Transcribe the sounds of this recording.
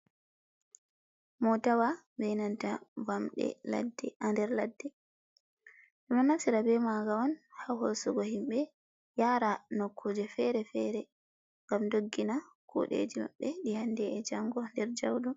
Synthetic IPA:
mɔtawambɛnantavamɗɛ̰ladɛandɛɾladːɛ | ɗɛmanasiɾabɛmaɡawɔnhahosuɡɔhimɓɛ | jaɾanɔkʰːɔd͡ʒɛfɛɾɛfɛɾɛ | ŋɡamdoɡːina | kʰṵɗḛd͡ʒima̰ɓːɛɗihandɛːd͡ʒaŋɡɔndɛɾd͡ʒawdɔ

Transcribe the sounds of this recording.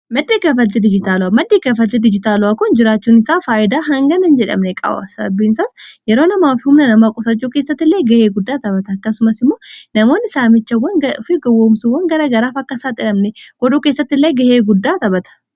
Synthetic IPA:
mɐd̪ːeːkɐfɐlt̪ɪd̪ɪd͡ʒɪt̪aːlʊamɐd̪ːeːkɐfɐlt̪ɪd̪ɪd͡ʒɪt̪aːlʊwaːkʊnd͡ʒɪɾaːt͡ʃːuːnɪsaːfaːʔɪd̪aːɦɐŋɡɐnɐnd͡ʒɛᶑɐ̰mnɛkʼɐ̰bɐ̰sɐɐbːiːnsaːsjɛɾoːnɐmaːfɪhʊmnɐnɐmaːkʼʊsɐt͡ʃːuːke̞ːsːɐt̪ːɪlːeːɡɐheːɡʊd̪ːaːt̪ɐbɐt̪ɐɐkːɐsʊmɐsɪmːo̞ːnɐmo̞ːnːɪsaːmɪt͡ʃːɐwːɐnɐʊfɪɡɐwːoːmsʊwːɐŋɡɐɾɐɡɐɾaːfɐkːɐsaːt̪ʼɪᶑɐmnɛɡ̥ɔd̪uːke̞ːsːɐt̪ːɪlːejɡɐheːɡʊd̪ːaːt̪ɐbɐt̪ɐ̥

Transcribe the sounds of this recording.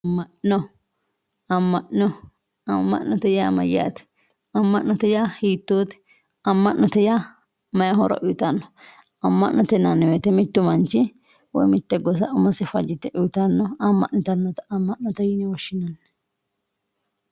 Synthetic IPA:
ɐmːɐʔnɔ | ɐmːɐʔnɔ | ɐmːɐ̰ʔnɔt̪ɛjaːmɐ̰ja̰ːt̪ɛ̥ | ɐmːɐʔnɔt̪ɛjaːhiːt̪ːoːt̪ɛ̥ | ɐmːɐʔnːɔt̪ɛja | mɐjɐɦɔɾɐ̰ʔʊt̪ɐnːɔ | ɐmːɐ̰ʔnːɔt̪ɛnɐnːɛwet̪ɛmɪt̪ːʊmɐnt͡ʃɪ | wɔ̰jmɪt̪ːɛɡɔs̬ɐʔʊmɐsɛfɐd͡ʒɪt̪ɛʔʊt̪ɐnːɔɐmːɐ̰ʔnɪt̪ɐnːɔt̪ɐmːɐʔnɔt̪ɛjɪnɛwɔʃːɪnɐnːɛ

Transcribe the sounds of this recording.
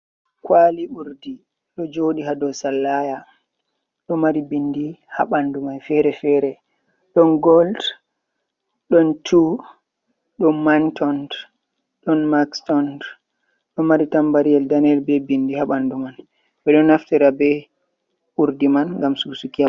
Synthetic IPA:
kwaliuɾdi | ɗɔd͡ʒoɗiɦadɔsalːaja | ɗɔmaɾibindihaɓandumanfɛɾɛfɛɾɛ | ɗɔnɡɔld | ɗɔntʰu | ɗɔmantɔnd | ɗɔnmakstɔnd | ɗɔmaɾitambaɾiɛldanɛlbɛbindihaɓanduman | ɓɛɗɔnaftɛɾabɛ | uɾdimanŋɡamsusukia

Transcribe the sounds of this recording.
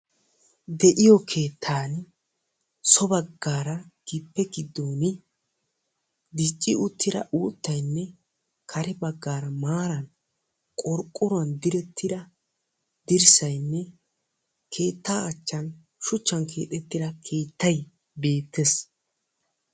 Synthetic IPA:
d̪ɛʔɪjɔkʰe̞ːt̪ʰːaːn | sɔbɐɡːaːɾɐɡ̥ɪpːɛɡɪd̪ːoːnɪ | d̪ɪt͡ʃʼːɪʊt̪ʰːɪdɾɐ̰ʔuːt̪ːɐjnːɛ | kʰɐɾɛbɐɡːaːɾɐmaːɾɐn | kʼɔɾkʼːʊɾʊɐnd̪ɪɾɛt̪ʰːɪd̪ɐ | d̪̥ɪɾsɐjnːɛ | kʰe̞ːt̪ːaːɐt͡ʃːɐn | ʃʊt͡ʃːɐnkʰe̞̰ːt̪ʼɛt̪ːɪd̪ɐkʰe̞ːt̪ːɐj | be̞ːt̪ʰːɛs

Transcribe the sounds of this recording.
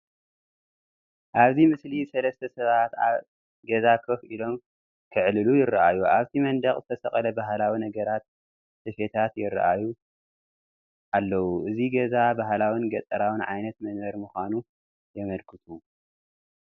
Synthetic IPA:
ʔaβzimɨslisɐlɐst̪ʰɐsɐβat̪a̰β | ɡɐzakʰɐfʔilo̞m | kʰɨʕlɨlujɪrɐʔajuʔaβt̪ʰimɐnd̪ɐkʼzɨt̪ʰɐsɐχʼɐlɐbaɦlawinɐɡɐɾat̪̚ | sɨfet̪ʰat̪jɪrːɐ̰ʔaju | ʔalːɐwuʔɨziɡɐzabaɦlawinɡɐt̪ʼːɐɾawɨnʕajnɐt̪mɐnbɐɾmɨxʷanu | jɛmɐlkʰɨt̪ʰu

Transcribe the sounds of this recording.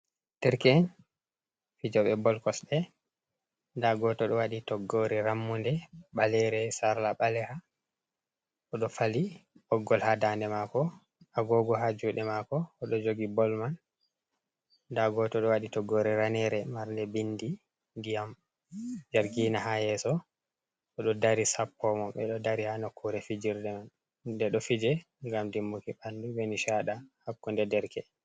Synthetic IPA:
tɛɾkɛn | fid͡ʒɔɓɛbɔlkɔsɗɛ | ndaɡɔtɔɗɔwaɗitɔɡːoɾɛɾamːundɛɓalɛɾɛsaɾlaɓalɛha | ɔɗɔfaliʔɔɡːɔlhadandɛmakɔ | ʔaɡɔɡɔɦad͡ʒuɗɛmakɔːɗɔd͡ʒoɡibɔlman | daɡɔtɔɗɔwaɗitɔɡɔɾɛɾanɛɾɛmaɾndɛbindi | ndijam | d͡ʒaɾɡiːnahajɛsɔ | ʔɔɗɔdaɾisapːɔmɔmɓɛɗɔdaɾihanɔkʰːuɾɛfid͡ʒiɾdɛman | dɛɗɔfid͡ʒɛ | ŋɡamdimːukiɓandubɛniʃaɗahakːundɛdɛɾkɛ

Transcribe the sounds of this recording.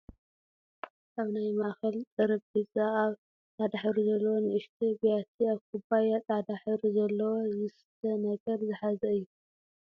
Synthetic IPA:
ʔaβnajmaʔxɐlt̪ʼɐɾɐbɡɨt͡sʼaaβ | ad̪aħɨɾuzɐlːɐwonɨʔɨʃt̪ʰibijat̪ʰiaβkʰubajat̪ʼad̪aħɨɾuzɐlːɐwozɨst̪ʰɐnɐɡɐɾzɨħazɐɨjːu

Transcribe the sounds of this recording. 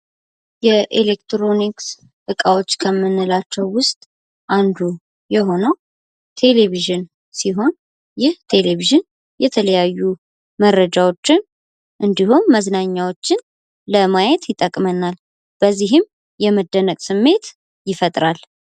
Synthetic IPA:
jɛʔelekt̪ɾo̞niks | ʔɨkʼawo̞t͡ʃːkʰəmːɨnːɨlat͡ʃːɛwːʊst̪ʼ | ʔand̪u | jɛɦo̞nəw | t̪ʰe̞leβiʒɨn | siɦo̞n | jɪht̪ʰe̞leβiʒɨn | jɛt̪ʰələjajːu | mərːəd͡ʒawo̞t͡ʃːɪn | ʔɨnd̪ihumːəznaɲːawo̞t͡ʃːɪn | ləmajɛt̪jɪt̪ʼəkʼmənal | b̥əzːiɦɪm | jɛməd̪ːənəkʼsɨmːe̞t̪ | jɪfət̪ʼɾal

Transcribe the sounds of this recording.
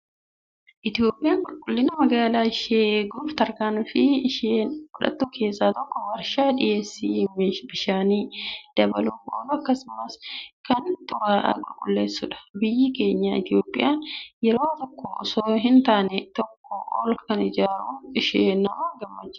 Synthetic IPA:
ʔɪt̪ɪo̞ːpʼːɪjaːnkʼʊlkʼʊlːɪnɐmɐɡaːlaːɪʃeɡuːft̪ɐɾkaːnfɪʃeːnɔᶑɐ̰t̪ːuːkʰe̞ːsːaːt̪ɔkːɔwɐɾʃaːᶑɪjeːsːimbɪʃaːniːd̪̥ɐbɐlubo̰ːlʊɐkːɐsʊmɐskɐnt̪ʼʊɾaːʔɐ̰ɡʼʊɾkʼʊlːe̞ːsːʊᶑɐ̥bɪjːike̞ːɲːaːɪt̪o̞ːpʼːɪjaːnjɛɾoːt̪ɔkːosoːɦɪnt̪aːnɛt̪ɔkːɔʔɔ̰lkʰɐnɪd͡ʒaːɾuːnɪʃeːnːɐwaːɡɐmːɐd͡ʒːɪ

